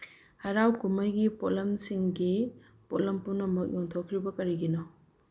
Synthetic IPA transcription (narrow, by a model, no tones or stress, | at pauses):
hɐɾawkumɐjɡipɔlɐmsiŋɡi | pɔlɐmpunɐmɐk̚jɔŋtʰokʰɾibɐkɐɾiɡinɔ